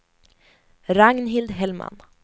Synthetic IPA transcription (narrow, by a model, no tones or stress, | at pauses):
ɾaŋnɦɪld̪ɦɛlma̰n